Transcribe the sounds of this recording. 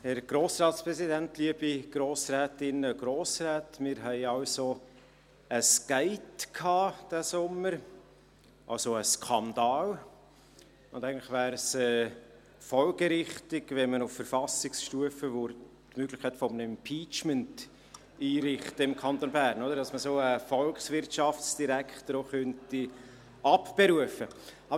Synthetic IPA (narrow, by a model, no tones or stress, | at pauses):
hɛɾɡ̥ɾoːsrɑːt̪spɾɛsidæntliəb̥iɡ̥ɾoːsɾɛːtɪnəɡ̥ɾoːsrɛːtmɪːɾɦɛɪɑʊso | əskæɪtkʰɑːd̥æsʊməɾ | ʔɑ̰lsoəskʰɑnd̪ɑːl | ʊndæɪɡntlɪχʋæːɾsɛː | fɔlɡ̥əɾɪχtɪɡvɛnmənʊfəɾfɑsɪksʃtuəfəʋʊɾ | tmøːɡ̥lɪχkʰːæɪtfɔmnɛmpʰiːt͡ʃmənt | iːɾɪχtəɪmkʰɑnt̪onbæːɾnod̪əɾd̥ɑsməsoːəfɔlkχsvɪrtʃɑft͡ssd̥iɾækχt̪əɾoχœnti | ʔɑpb̥eɾuəfə | ɑbə